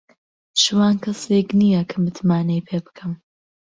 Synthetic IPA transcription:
ʃɨwaːnkʰɐseknijɐkʰɐmɨt̪ʰmaːnɐjpʰeːbɨ̥kʰɨm

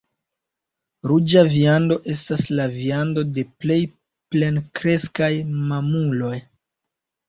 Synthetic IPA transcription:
ɾud͡ʒaviando̞ʔe̞s̬taslaviando̞de̞ple̞j | ple̞nkɾe̞skajmamulo̞j

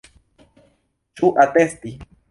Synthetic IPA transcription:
t͡ʃʼuʔat̪est̪i

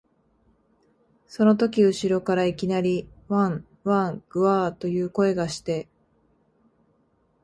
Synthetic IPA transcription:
so̞no̞t̪̬o̞kʲiɯ̟ɕiɾo̞kaɾaikʲinaɾʲiβãɴ | βãŋɡ̥ɯ̟aːt̪o̞jɯ̟ːko̞e̞ɡaɕi̥t̪e̞

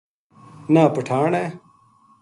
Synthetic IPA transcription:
nãːpəʈʰaːɳɛː

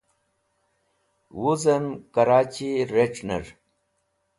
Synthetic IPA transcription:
wuzɐmkaɾaːt͡ɕiɾeʈ͡ʂnḛɾ

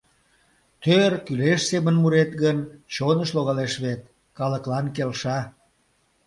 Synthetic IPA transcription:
t̪ørkyleʃsemənmuɾet̪ɣənt͡ɕonəʃloɣɑleʃβet̪̚ | kɑləklɑnk̬elʃɑ

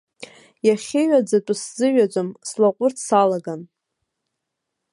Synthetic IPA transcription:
jaχʲɪɥad͡zatʼʊszɨɥat͡sʷʼomslaqʷʼʊrtʰsalaɡan

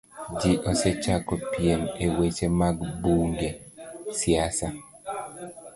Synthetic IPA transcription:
d͡ʒiʔɔsɛt͡ʃakɔpijenewet͡ʃemaɡbuŋɡesiasa

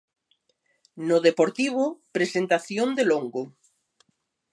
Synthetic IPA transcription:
nʊðepoɾt̪iβ̞ʊpɾesent̪aθjond̪eloŋɡʊ

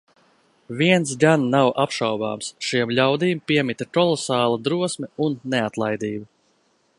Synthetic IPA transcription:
viɛns̬ɡanːawʔapʃawba̰ːmsʃiɛmlʲawd̪iːmpiɛmit̪ʲakɔlˠɔsaːlˠad̪ɾuɔsmɛunːɛat̪lˠajd̪iːba

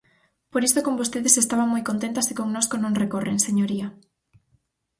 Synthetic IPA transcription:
poɾist̪okombost̪eðesest̪aβaŋmojkont̪ent̪asikoŋnoskonõŋrekoreŋseɲoɾia

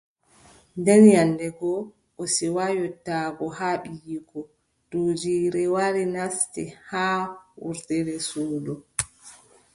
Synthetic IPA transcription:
ndɛnjanːdɛɡɔ | ʔɔsiwajɔtːaːɡɔhaːɓijiɡɔ | d̥oːd͡ʒiːɾɛwaɾinastihaːwṵɾtɛɾɛsuːdɔ

